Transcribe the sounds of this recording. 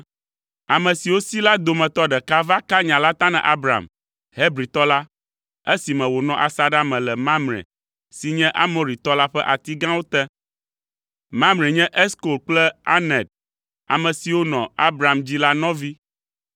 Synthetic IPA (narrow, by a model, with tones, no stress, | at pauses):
a˨mɛ̃˨si˨wo˦si˦la˦d̪o˨mɛ̃˨t̪ɔ˦ɖɛ˨ka˦va˦ka˦ɲã˨la˦t̪ã˦nɛ̰̃˨ʔa˦bɾa̰˨m | ɦe˦bɾi˨t̪ɔ˦la˦ | e˦si˨mɛ̃˨wo˨nɔ̃˦ʔa˨sa˦ɖa˦mɛ̃˨lɛ˨mã˦mɾɛ̰̃˨ | si˨ɲɛ̃˦ʔa˦mɔ̃˨ɾi˨t̪ɔ˦la˦ɸɛ˦ʔa˨t̪i˦ɡã˦wo˦t̪ɛ˦ | mã˦mɾe˨ɲɛ̃˦ʔɛ˦sko˨lk͡plɛ˦a̰˦nɛ̃˨d̚ | a̰˨mɛ̃˨si˨wo˦nɔ̃˨a˦bɾa˨md͡ʑi˦la˦nɔ̃˦vi˦